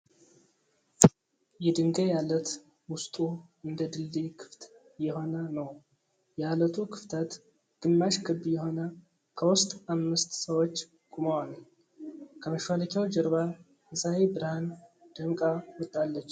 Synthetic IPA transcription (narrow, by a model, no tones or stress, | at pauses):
jɛd̪ɨŋɡəjalːət̪ | wʊst̪ʼuʔɨnd̪əd̪ɨlːekʰɨ̥ft̪ | jɛho̞nənəw | jɛalət̪ʰukʰɨft̪ʰət̪ | ɡ̥ɨmːaʃkʰɨbjɛho̞nə | kʰəwʊst̪ʼamːɨst̪ʼsəwot͡ʃː | ɡʼumawanaɲ | kʰəməʃwaləkʲʰawd͡ʒəɾβa | əsahebɨɾhand̪̥əŋkʼawɔt̪ʼːalːət͡ʃː